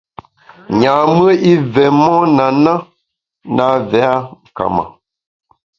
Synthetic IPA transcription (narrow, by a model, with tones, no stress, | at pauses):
ɲa˨mə˦i˦vɛ˨mɔ˦na˨na˦ | na˨˦vɛ˨˦a˦ŋ˨ka̰˨ma̰˨